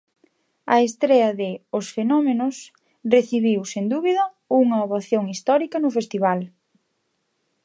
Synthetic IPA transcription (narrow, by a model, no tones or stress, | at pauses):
ɐ̰est̪ɾɛɐðɪʊsfenɔmenʊs | reθiβiwsend̪uβiðɐ | uŋɐoβaθjoŋist̪ɔɾikɐnʊfest̪iβal